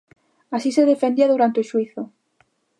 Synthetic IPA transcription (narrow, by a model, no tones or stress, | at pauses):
asiseðefend̪iaðuɾant̪eoʃwiθo